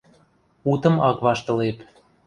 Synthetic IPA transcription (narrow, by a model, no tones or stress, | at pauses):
ut̪ɤ̆mɑkβɑʃt̪ɤ̆lep